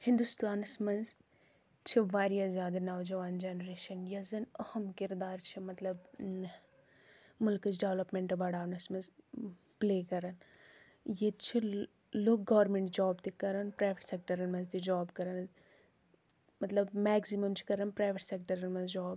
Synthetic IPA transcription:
hɪ̃nd̪ust̪aːnɐsmɐnz | t͡ʃʰiʋaːɾjazjaːd̪ɐnɐʋd͡ʒɐʋaːnd͡ʒeːnɾeːʃɐnjɐzɐnɐhɐmkɪɾd̪aːɾt͡ʃʰimɐt̪lɐb | mʊlkɨzɖeʋlɐpmeɳʈɐbɐɽaːʋnɐsmɐnz | pleːkɐɾɐn | jet̪t͡ʃʰi | loːk̚ɡɐʋɾmẽɳʈd͡ʒaːbt̪ikɐɾɐnpɾaːʋeʈsek̚ʈɐɾɐnmɐnzt̪id͡ʒaːbkɐɾɐn | mɐt̪lɐbmɛːksimɐmt͡ʃʰi̥kɐɾɐnpɾaːjʋeʈsek̚ʈɐɾɐnmɐnzd͡ʒɔːb

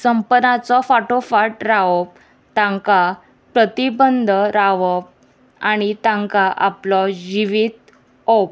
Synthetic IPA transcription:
səmpənat͡sɔfaʈofaʈɾaʋɔp̚ | t̪ãŋka | pɾət̪ibənd̪ʱɾaʋəp̚ | aɽ̃it̪ãŋkaʔaplɔd͡ʑiʋit̪ | op

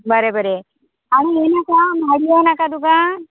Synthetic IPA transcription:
bəɾebəɾe | aɽ̃eenakamaɽienakad̪uɡa

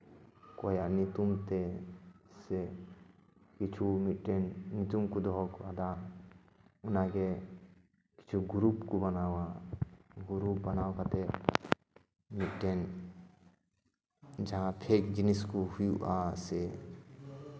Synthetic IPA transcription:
koːjanit̪umt̪e | se | kit͡ʃʰumiʈːennit̪umkud̪ɔɔkad̪a | ʊnake | ki̥t͡ʃʰuɡɾuːpkubɐnawa | ɡuɾup̚bɐnaːwkat̪e | miʈen | d͡ʒaãpʰekd͡ʒiniskuhujuʔase

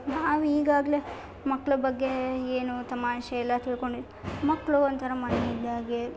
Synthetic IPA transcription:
naːʋiːɡaːɡɐle | mɐkːɐɭɐbɐɡːe̞eːnut̪ɐmaːʃɐɛlːɐt̪iɭko̞ɳɖi | mɐkːɐɭuont̪ʰɐɾɐmɐneid̪ːaːɡe

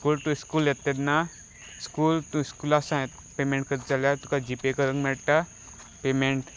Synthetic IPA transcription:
skuːlt̪ũskuːlet̪ːet̪na | skuːlt̪ũskuːlasãet̪ | pemẽɳʈ̚kəɾt͡saljat̪ukad͡ʑipekəɾəŋɡmɛɭʈ̪a | pemeɳʈ

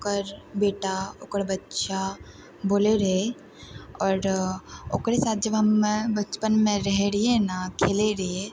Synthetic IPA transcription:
okəɾbeːʈaʊkəɾbɐtːʃa | boːleɾɐɦe | ɔːɾoːkɾesaːt̪̚ʰd͡ʒɐbɦɐmbɐt͡ʃpənmẽɾɛɦɾienakʰeːleɾe

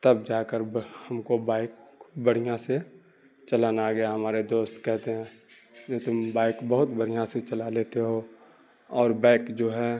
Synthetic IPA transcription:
t̪ɐb̚d͡ʒaːkəɾbhɐmkobaːɪkbəɽ̤ijãse | t͡ʃəlaːnaɡɐjaɦɐmaːɾed̪oːst̪kɛɦt̪eɦɛ̃ː | d͡ʒot̪ʊmbaːɪkbəɦʊt̪bəɽ̤ijãset͡ʃɐlaleːt̪eɦo | ɔːɾbaːɪkd͡ʒoːɦɛ

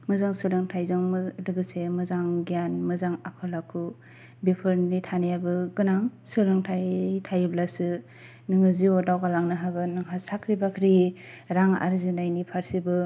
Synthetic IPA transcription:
mɯzaŋsɯlɯŋtʰajzɯŋmdɯɡɯsemɯzaŋɡijanmɯzaŋakʰɯlakʰu | bepʰɯɾnitʰanijabɯɡɯnaŋsɯɾɯŋtʰajtʰajublasɯ | nɯŋɯziodawkalaŋnɯɦaɡɯnɯŋɦasakʰɾibakʰɾi | ɾaŋa̰ɾzinajnipʰaɾsibɯ

